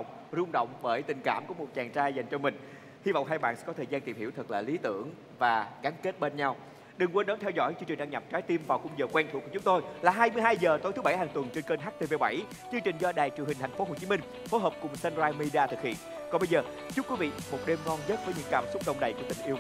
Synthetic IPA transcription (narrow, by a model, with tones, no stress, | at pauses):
ŋ͡m̚ | zʊ˧ŋ͡mɗə̰˧˨wŋ͡mɓəː˧˩jt̪ï˨˩ŋ̟kaː˧˩mku˧˩əmo˨˩t̚t͡ɕaː˨˩ŋt͡ɕaː˧jza˨˩jŋ̟t͡ɕɔ˧mï˨˩ŋ̟ | hi˧vɔ̰˧˨wŋ͡mɦa˧jɓa̰ː˧˨sɛ̰˧˥kɔ˨˦t̪ʰəː˨˩zaː˧nt̪i˨˩mhi˧˩əwt̪ʰɨ˨˩k̚la̰ː˨˩li˨˦t̪ɨ̰˧˩əŋ | vaː˨˩ɣaː˨˦nke˦˥t̚ɓe˧nɲa˧w | ɗɨ˨˩ŋkwə˧nɗɔ˨˦nt̪ʰɛ˧wzɔ̰˧˥˩jt͡ɕɨ˧ŋt͡ɕï̟˨˩ɗa˧ŋɲa˨˩p̚t͡ɕaː˨˦jt̪i˧mvaː˨˩wxʊ˧ŋ͡mzəː˨˩kwɛ˧ŋt̪ʰṵ˧˩ku˧˩˦t͡ɕʊ˨˦ŋ͡mt̪o˧jlaː˨˩ɦaː˧jmɨ˧əjɦaː˧jzəː˨˩t̪o˨˦t̪ɨ˨˦ɓa˧˩jɦaː˨˩ŋt̪wə˨˩nt͡ɕe˧nkə˧nɦaː˦˥k̚t̪ʰe˧˩ve˨˧˦ɓa˧˩j | t͡ɕɨ˧ŋt͡ɕï˨˩ŋ̟zɔ˧ɗaː˨˩jt͡ɕɨ˨˩əŋhï̟˨˩t̪ʰj̟fo˨˦ɦo˨˩t͡ɕi˨˦mï˧ŋ̟ | fo˨˦jɦəː˨˩p̚kʊ˨˩ŋ͡msɛ˧nzaː˧jmi˧ɗi˧aː˧t̪ʰɨ˨˩k̚hḭ˧˨ən | kɔ˨˦nɓə˧jzəː˨˩ | t͡ɕʊ˦˥kwi˨˦vḭ˧˨mo˨˩t̚ɗe˧mŋɔ˧nzə˦˥t̚vəː˨˦jɲɨ̰˧˥ŋkaː˧˩msʊ˦˥k͡p̚ɗə̰˧˨wŋ͡mɗə˨˩jku˧˩ət̪ï˨˩ŋ̟ʔi˧əw